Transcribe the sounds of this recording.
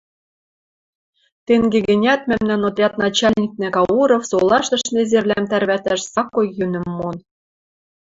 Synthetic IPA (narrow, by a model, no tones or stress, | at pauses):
t̪eŋɡeɡɘ̆nʲæt̪̚mæmnænod̪rʲɑt̪nɑt͡ɕælʲnʲik̚nĕkɑuɾŏfsolˠɑʃt̪ɤ̆ʃnezerlæmt̪ærβæt̪æʃsɑkːojːynɘ̆mːon